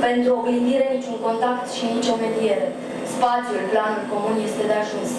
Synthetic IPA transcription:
pe̞nt̪ɾuobiniɾe̞nit͡ʃʲuŋko̞nt̪ak̚t̪ʃinit͡ʃʲo̞me̞d̪ije̞ɾe̞ | spat̪sjulplanulko̞munje̞st̪e̞d̪eaʒuns

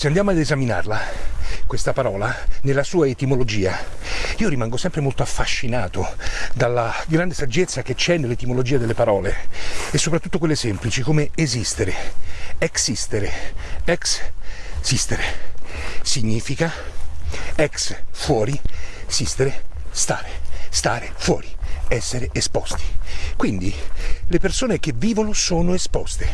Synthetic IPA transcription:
seand̪jamoad̪ezamina̰rlakwest̪apaɾɔːlanelːasuːaet̪imolod͡ʒiːaiːoɾimaŋɡosɛmpɾemolt̪oafːaʃːinaːt̪od̪alːaɡɾand̪esad͡ʒːet̪sːaket͡ʃːɛnːelːet̪imolod͡ʒiːad̪elːepaɾɔːleesːopɾat̪ːut̪ːokwelːesɛmplit͡ʃikomeezist̪eɾeeksist̪eɾeɛks | sist̪eɾe | siɲːiːfika | ɛksfwɔːɾisist̪eɾest̪a̰ːɾest̪aːɾefwɔ̰ːɾiɛsːeɾeespɔst̪i̥kwind̪ilepersoːnek̟evːiːvonosoːnoespɔst̪e

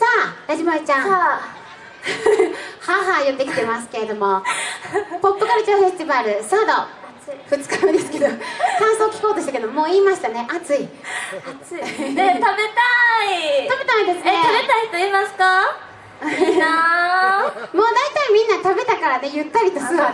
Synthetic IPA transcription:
sajaʑimait͡ɕã | haɦajot̪ːe̞kʲi̥t̪e̞mas̬ɨ̥ke̞ɾe̞d̪o̞mo̞ | po̞p̪ːokaɾɯ̟t͡ɕãɸest̪ʲibaɾɯ̟sad̪o | ɸɯ̟t͡sɨ̥kaɯ̃nd̪esɨ̥ked̪okãɰ̃soːkʲi̥ko̞ːt̪o̞ɕit̪aked̪omo̞ːiːmaɕi̥t̪ane̞ʔat͡sɨi | aet̪abe̞t̪ait̪abe̞t̪aĩnd̪e̞sɨeeabe̞t̪aisɨimasɨ̥ka | mo̞ːd̪ait̪aimʲĩnːat̪abe̞t̪akaɾane̞jɯ̟t̪ːaɾʲit̪o̞sɨɡ

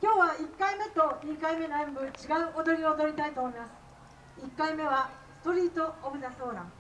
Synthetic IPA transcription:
kʲo̞ːβaikːaime̞t̪o̞ɲʲikaime̞noẽmbɯ̟t͡ɕiɡaɯ̟ʔod̪o̞ɾʲiod̪o̞ɾʲit̪ait̪oːmo̞imasɨ̥ | ikːaime̞βa | sɨ̥t̪o̞ɾʲiːt̪o̞obɯ̟zaso̞ːɾã̰

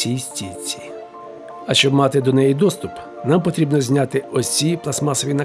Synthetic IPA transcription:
ijsʲtʲit͡sʲi̥ | ɐʃt͡ʃɔbmɑt̪ɪd̪ɔnɛjid̪ɔst̪ʊp | nɑmpɔt̪ɾʲibnɔzʲnʲat̪ɪɔiplˠɐsmɑsɔʋʲinɐ

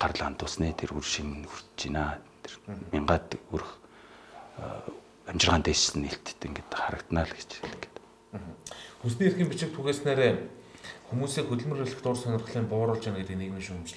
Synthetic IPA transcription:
ɢ̥ar̆ɮant̪ʊːsneːt̪ʰerurʃinxur̥t̪t͡ɕinaːt̪ʰermɪɴɢaːt̪uɾ̆x | amt͡ɕɪ̆rʁaːnt̪eːt͡ɕsɘ̆niɬt̪ʰt̪ːɘ̆ŋɡet̪χaɾə̆kt̪naːɮɡe̥t͡ɕxeɮɡe̥t̪ː | ɦ̩xus̬niːerxĭːmpʲit͡ɕɪ̆k̚t̪ʰuɣeːsneːɾeː | xumuːsiːxɵt̪ɵ̆ɮmɵ̆rĕɮɘ̆xt̪ʊːrsœnʲɪ̆rχɮiːmpʊːɾʊ̆ːɮt͡ɕanɡet̪ɘ̆kneɣmiʃuŋɵmt͡ɕɮ

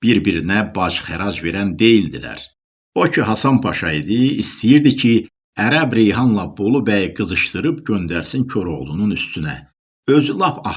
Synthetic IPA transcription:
b̥iɾbiɾinæbɑd͡ʒχæɾɑd͡ʒve̞ɾænd̪e̞jild̪ilæ̰ɾ | bocʰiɦɑsɑnpʰɑʃɑid̪ɯist̪ijiɾd̪icʰi | æɾæbɾejɦɑnlˠɑbo̞lˠubæjɡɯzɯʃt̪ɯɾɯbɟø̞nd̪æɾsincʰo̞ɾo̞ʁlˠununyst̪ynæ̰ | øzlˠɑfɑ

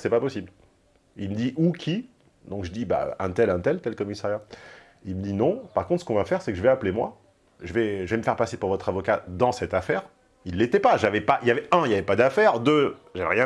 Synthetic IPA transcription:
sɛpapɔsibl | ilməd̪iʔukʲi | d̪ɔ̃kʒəd̪iba̰ʔɛ̰̃t̪ɛlɛ̃t̪ɛlt̪ɛlkɔmisaʁja | ilməd̪inɔ̃paʁkɔ̃t̪χsə̥kɔ̃vafɛʁsɛkəʒəvɛaplemwa̰ | ʒəvɛʒəvɛməfɛʁpasepuʁvɔt̪χavɔkad̪ɑ̃sɛt̪afɛːʁ | ilːet̪ɛpaʒavɛpaʔiljavɛɛ̃iljavɛpad̪afɛʁd̪øʒavɛ̰ʁjɛ̃

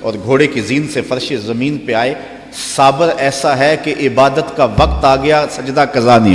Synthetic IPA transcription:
ɔːɾɡʱoːɽekiziːnsefɐɾʃezɐmiːnpeaːe | saːbəɾɛːsaɦɛkeʔɪbaːd̪ət̪kaʋɐqt̪aːɡɐjasɐd͡ʒd̪akɐzaːni

